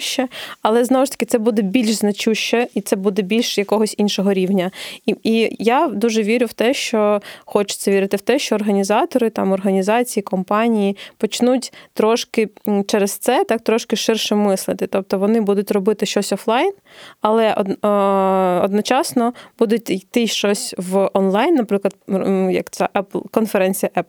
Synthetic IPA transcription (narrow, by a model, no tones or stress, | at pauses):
ʃt͡ʃːɛɐlˠɛznɔwʊʃt̪ɐ̥kɪtsɛbud̪ɛbʲilʲʃznɐt͡ʃuʃt͡ʃːɛit̪sɛbud̪ɛbʲilʲʃjɐkɔɦɔsʲinʃɔɦɔɾʲiwnʲɐijad̪uʒɛʋʲiɾʲʊwt̪ɛʃt͡ʃɔxɔt͡ʃʊ̥t͡ssʲɛʋʲiɾɪt̪ɪwt̪ɛʃt͡ʃɔːrɦɐnʲizɑt̪ɔɾɪt̪ɑ̰mɔrɦɐnʲizɑt͡sʲijikɔmpɑnʲijipɔt͡ʃnutʲt̪ɾɔʃkɪt͡ʃɛɾɛst̪sɛt̪ɑk̚t̪ɾɔʃkɪʃɪrʃɛmɪslˠɪt̪ɪt̪ɔp̚t̪ɔʋɔnɪbud̪ʊtʲrɔbɪt̪ɪʃt͡ʃɔsʲɔflˠɑjnɐlˠɛʔɔ | ɔd̪nɔt͡ʃɑsnɔb̥ud̪ʊt̚ʲjt̪ɪʃt͡ʃɔsʲʋɔnlˠɑjnːɐpɾɪklˠɐd̪jɐ̰kt͡sʲaʔɛplˠkɔnfɛɾɛnʲt͡sʲijɐʔɛpˠ